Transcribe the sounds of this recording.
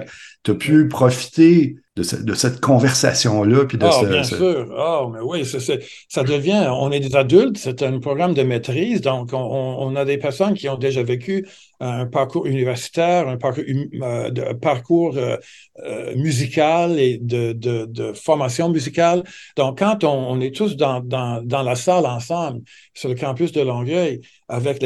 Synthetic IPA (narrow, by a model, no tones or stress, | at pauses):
t̪ypʰypχɔfi̥t̪ed̪əsɛ̰d̪əsɛt̪kʰɔ̃vɛʁsa̰sjɔ̃lʌpid̪əɔbjɛ̃syːʁɔmɛwisɛsɛ | sad̪əvjɛ̃ɔ̃nɛd̪ezad̪ylt̪set̪ɛ̃pʁɔɡʁamd̪əmet̪ʁiːzd̪ɔ̃kɔ̃ɔ̃ɔ̰̃nad̪epɛʁsɔnkʲiɔ̃d̪eʒavekʰʲỹː | paʁkuːʁynivɛʁsi̥t̪ɛːʁɛ̃paʁk | d̪əpaʁkʰuːʁø | ø̰myzikʰaled̪əd̪əd̪əfɔʁmasjɔ̃myzikald̪̥ɔ̃kʰːɑ̃t̪ɔ̃ːnɛt̪ʰusd̪ɑ̃d̪ɑ̃d̪ɑ̃lasalɑ̃sɑ̃bl | sɛləkɑ̃pysd̪əlɔ̃ɡœj | avɛkl